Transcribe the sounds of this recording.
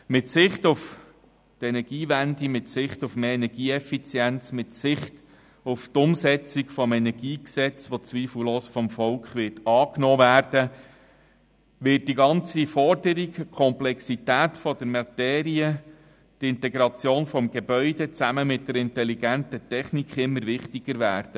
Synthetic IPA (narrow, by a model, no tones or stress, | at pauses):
mɪtsɪχtuf | tɛnɛɾɡ̥iːʋændimɪtsɪχtufmeːɛnɛɾɡiːɛfit͡sjɛnt͡smɪtsɪχt | uft̪ʊmsɛt͡sikfɔmɛnɛɾɡiːksɛt͡sʋɔt͡sʋiːfl̩loːsfɔmfɔlkχʋɪtɑːknɔːvæːɾd̥ə | ʋɪt̚d̥iɡɑnt͡sifɔɾd̥əɾikkʰɔmplɛksit̪æːtfɔd̥əɾmɑtɛːɾiə | tɪntɛɡɾɑt͡sjoːnfɔmɡ̥ebœʏdɛt͡sæməmɪt̚d̥əɾɪntɛliɡæntətɛχnikχɪmːəɾʋɪχtiɡ̥əɾʋæːɾd̥ə